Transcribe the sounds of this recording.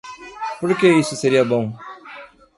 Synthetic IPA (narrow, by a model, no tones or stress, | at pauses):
pʊɾkeːisuseɾijabõŋ